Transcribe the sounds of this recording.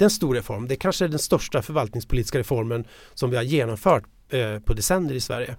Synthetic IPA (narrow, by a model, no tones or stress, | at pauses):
ɛnst̪uːɾɛfɔɾmd̪ɛækʰanʂəæɖɛnst̪œʂʈafœɾvalt̪nɪŋspʰʊliːt̪ɪ̥skaɾɛfɔɾmən | sɔmvɪhaɾjeːnɔmfœːʈ | pʰɔd̪ɛsɛnd̪əɾɪsvæ̰ɾjə